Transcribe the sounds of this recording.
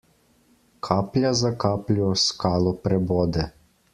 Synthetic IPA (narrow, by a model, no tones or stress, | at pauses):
kʰaːplʲjazakaːplʲɔskaːlɔpɾɛbɔːd̪ɛ